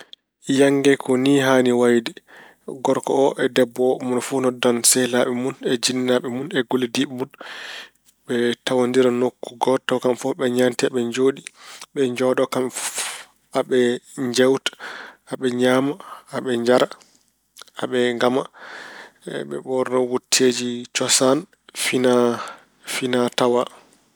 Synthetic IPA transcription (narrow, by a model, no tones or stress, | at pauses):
jaŋɡɛkʰɔniːɦaːniwajdɛ | ɡɔɾkɔ̰ɔʔɛdɛbːɔmunfunɔdansɛlaɓɛmunɛd͡ʒinːaɓɛmunɛɡolidiɓɛmun | ɓɛtawandiɾanokːuɡɔtːawkamfɔɓɛɲamtiaɓɛɲd͡ʒoːɗiɓɛɲd͡ʒɔɗɔkamf | aɓɛɲd͡ʒɛwtḁaɓɛɲamaːɓɛɲd͡ʒaɾa | aɓɛŋɡama | ɓɛ̰ɓɔɾnɔwutʰːed͡ʒit͡ʃɔsan | fina | finatawa